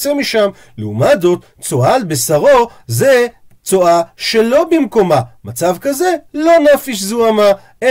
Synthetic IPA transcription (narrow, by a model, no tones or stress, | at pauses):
t͡semiʃam | leumazo̞t̪ | t͡soalbesaʁo̞ze | t͡soaʃe̞lo̞bimko̞mamat͡savkaze̞lo̞nafiʃzuama | e